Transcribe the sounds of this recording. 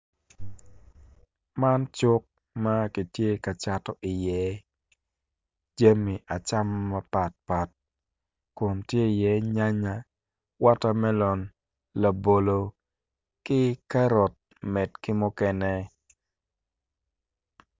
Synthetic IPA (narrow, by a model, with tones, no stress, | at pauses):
ma˦nt͡ʃʊ˦k̚ | ma˦ki˨tje˦ka˨t͡ʃa˦tɔ˦ʔɪ˨jɛ˨˦ | d͡ʒa˦mi˨ʔa˨t͡ʃa˦mːa˦pa˨t̚pa˨t̚ | kʊ˨ntje˦i˨jɛ˨˦ɲa˦ɲa˦ | wa˦ta˦mɛ˦lɔ˨n | la˨bo˨lo˨ | kɪ˦ka˦ɾɔ˨t̚ | mɛ˨tkɪ˦mʊ˦kɛ˦nɛ˦